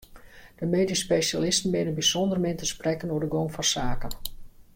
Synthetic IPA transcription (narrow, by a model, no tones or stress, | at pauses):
d̥əmeːdispesalɪstn̩ʋɪnənbisondərmɪntəsprɛkənoədəɡoŋfɑnsaːkən